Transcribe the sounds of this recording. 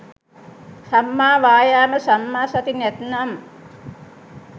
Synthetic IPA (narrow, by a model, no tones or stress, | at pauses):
samːaːʋaːjaːməsamːaːsat̪inɛt̪nam